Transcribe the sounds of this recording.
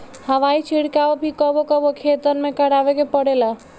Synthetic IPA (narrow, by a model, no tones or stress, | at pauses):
həʋait͡ʃʰiɽkaobʱikəbokəbokʰet̪əɾmekəɽaʋekepəɽela